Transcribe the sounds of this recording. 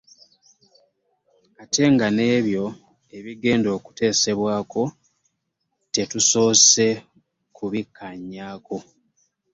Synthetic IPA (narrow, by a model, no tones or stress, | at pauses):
atʰe̞ŋɡane̞ːβjo̞ | e̞βiɡe̞ːndo̞ːku̥te̞ːse̞βwaːko̞ | te̞tuso̞ːse̞ | kuβikʰːaɲːaːko̞